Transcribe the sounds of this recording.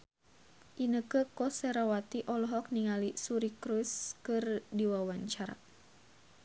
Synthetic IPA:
ʔinəkəkɔseɾawat̪iʔɔlɔɦɔk̚niŋalisuɾikɾuskɨrdiwawaɲt͡ʃaɾa̰

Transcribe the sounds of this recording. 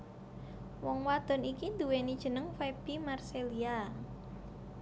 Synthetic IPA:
wɔŋwad̪̥ɔ̤nikind̪uwenid̥ʒ̥ə̤nəŋfeb̥imarselia

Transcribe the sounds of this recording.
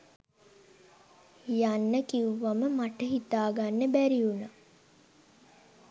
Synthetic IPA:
janːəkiuʋaməmaʈəɦit̪aːɡanːəbæɾiuna

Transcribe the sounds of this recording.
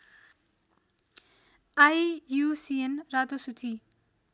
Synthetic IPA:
ajjusienɾad̪osut͡si

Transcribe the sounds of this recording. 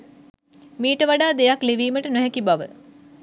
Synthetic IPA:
miːʈəʋaɖaːd̪ejakliʋiːməʈənoɦɛkibaʋə̰

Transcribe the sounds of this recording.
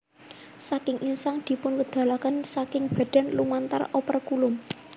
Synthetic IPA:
sakɪŋinsaŋd̪̥i̤pʊnkəd̪̥ä̤lakənsakɪŋb̥a̤d̥a̤nlumant̪a̰ropərkulʊm

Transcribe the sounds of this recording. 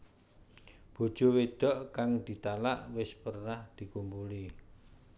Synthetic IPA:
b̥o̤d̥ʒ̥o̤wed̪̥ɔ̤ʔkaŋd̪̥i̤t̪alaʔwɪspərnahd̪̥i̤kumpuli

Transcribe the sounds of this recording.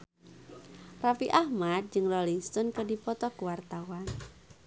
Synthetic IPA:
rafiʔahmad̪̚d͡ʒɨŋrɔliŋst̪ɔnkədipɔt̪ɔkuwart̪awan

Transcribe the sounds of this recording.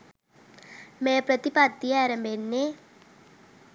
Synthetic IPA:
mepɾət̪ipat̪ːiɛɾəmbenːe

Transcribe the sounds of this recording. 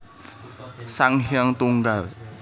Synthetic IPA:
saŋhjaŋt̪uŋɡaw

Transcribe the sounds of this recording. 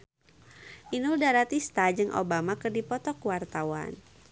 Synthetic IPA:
ʔinuldaɾat̪ist̪ad͡ʒɨŋʔo̰bamakɨrdipɔt̪ɔkuwart̪awa̰n

